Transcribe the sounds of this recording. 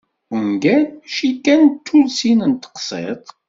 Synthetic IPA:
ənɡænʃikːænt̪ʰːulsinənt̪ə̥qsˤḛt̪ˤ

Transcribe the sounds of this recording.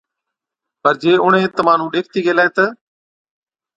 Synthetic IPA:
pəɾd͡ʒeːʊɳ̤ẽːt̪əmaːn̤ũːɗeːk̚ʰt̪iːɡeːlaːeːt̪ə

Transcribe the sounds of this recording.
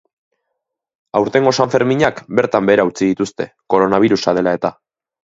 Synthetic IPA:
awɾt̪e̞ŋɡo̞saɱfe̞ɾmiɲakbe̞ɾt̪ambe̞ːɾaut͡siðit̪ust̪e̞ko̞ɾo̞naβ̞iɾusað̞e̞lae̞t̪a

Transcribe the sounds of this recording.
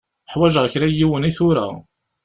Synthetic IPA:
ħwæʒəʁˤçɾæjiwəniθʊɾæ̰

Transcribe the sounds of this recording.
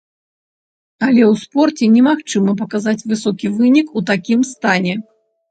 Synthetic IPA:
ɐlʲɛwspɔrt͡sʲɛnʲɛmaxt͡ʂɨmɐp̬ɐkazat͡sʲvɨsɔkʲivɨnʲikut̪akʲimst̪anʲɛ

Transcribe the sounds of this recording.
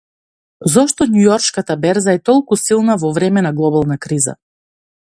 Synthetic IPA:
zɔʃt̪ɔnujɔɾt͡ʃkat̪abɛɾzaɛt̪ɔlˠkusilˠnavɔvɾɛmɛnaɡlˠɔbalˠnakɾiza̰

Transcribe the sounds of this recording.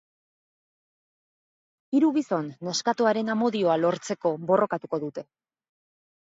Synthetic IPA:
iɾuɣiso̞nːeskat̪oaɾe̞namo̞ðio̞alo̞ɾt͡se̞ko̞βo̞rʔo̞kat̪uko̞ðut̪e̞

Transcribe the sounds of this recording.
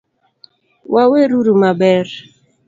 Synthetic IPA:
waweɾuɾumabɛɾ

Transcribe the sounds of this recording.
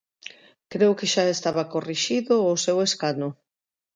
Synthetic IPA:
kɾeʊkeʃaest̪aβakoriʃiðʊːseweskanʊ

